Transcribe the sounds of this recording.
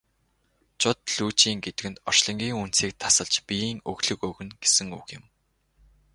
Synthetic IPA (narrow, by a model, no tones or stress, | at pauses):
t͡ɕʰʊt̪̚ɮuːt͡ɕiːŋɡet̪ɘ̆kɘ̆nt̪ɔ̥t͡ɕɮɞ̆ŋɡʲiːŋun̥t͡siːk̚t̪ʰḁsə̆ɮt͡ɕpʲijiːŋɵ̰ɣɮɵ̆kɵɣɵ̆nɡesɘ̆ŋṵɣjɪ̆m